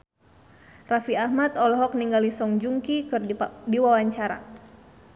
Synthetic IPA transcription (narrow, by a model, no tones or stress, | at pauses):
rafiahmat̪ɔlɔɦɔk̚niŋɡalisɔŋd͡ʒuŋkikɨrdiwawaɲt͡ʃaɾa̰